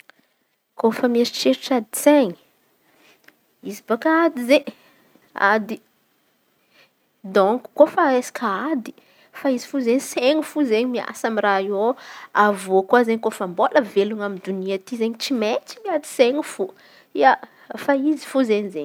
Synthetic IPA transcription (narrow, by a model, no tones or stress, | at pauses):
kofameɾiʈ͡ʂeɾiʈ͡ʂad̪i̥seɲi̥ | izibakaad̪izeɲ | a̰d̪i | d̪oŋku̥kofaesḁkʰaad̪i̥ | faizi̥fuzeɲseŋifuzeɲimia̰samiraioavokwazeɲikofamboləveluŋamid̪uniat̪izeɲit͡simet͡si̥miad̪i̥seɲifu | ia | faizi̥fuzeɲizeɲi